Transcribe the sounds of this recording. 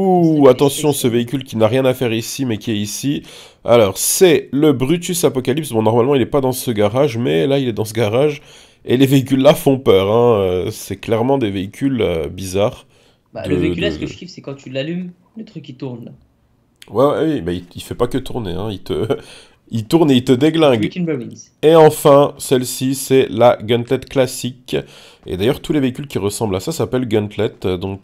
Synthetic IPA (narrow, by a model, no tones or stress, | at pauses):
uat̪ɑ̃sjɔ̃səveikʲylkʲinaʁjɛ̃nafɛʁisimɛkʲiɛisi | a̰lɔʁsɛləbʁyt̪ysapɔkalipsbɔ̃nɔʁmalmɑ̃ilɛpad̪ɑ̃səɡaʁaʒmɛlailɛd̪ɑ̃səɡaʁaʒ | eleveikʲylːafɔ̃pœʁɛ̃øsɛklɛʁmɑ̃d̪eveikʲʰylø̰bizaːʁ | bad̪ələed̪aəkifsɛkɑ̃t̪ylalym | lət̪χykʲːit̪uʁna | wɛwɛwibaiilfɛpakət̪uʁneɛ̃ilt̪ə̰ | ilt̪uʁneilt̪əd̪eɡlɛ̃ɡnbwin | eɑ̃fɛ̃sɛlsisɛlaɡɔ̃nt̪lɛt̪klasik | ḛd̪ajœʁt̪uleveikʲylkʲiʁəsɑ̃blasasapɛlɡɔ̃nt̪lɛt̪d̪ɔ̃k